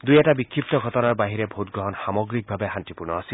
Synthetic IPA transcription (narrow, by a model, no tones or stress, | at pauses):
d̪ujɛtabikʰːip̚t̪ɔɡʱɔtɔnaɹbaɦiɹɛbʱotɡɹɔɦɔnxamɔɡɹik̚bʱabɛɦantipuɹnɔasi